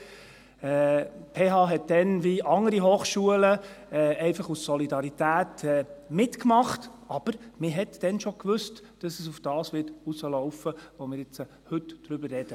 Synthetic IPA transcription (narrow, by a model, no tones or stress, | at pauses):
ɛpʰeːɦɑːɦɛt̚d̥ɛnʋiɑŋəɾiɦoːχʃuələɛːɛɪfɑχusːɔlidɑɾitæːtɛːmɪtkmɑχtɑb̥əɾmɪɦɛtd̥ɛnʃokʋʏst | d̥ɑsəsufd̥ɑːsʋɪtusəlɔʊfəʋɔmɪːɾɪt͡sə | hɵtd̥ɾʏbəɾrɛd̥ə